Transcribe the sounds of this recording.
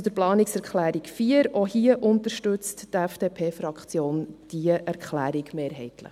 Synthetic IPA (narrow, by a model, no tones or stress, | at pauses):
d̥̪əɾplɑːnɪksɛɾkχlæːɾikfiːəɾohiəʔʊnt̪əɾʃtɵt͡sttɛfd̥eːpʰeːfɾɑkʰt͡sjoːnd̥iəʔæɾkχlæːɾɪɡmeːɾɦɛ̰ɪt̪lə̰χ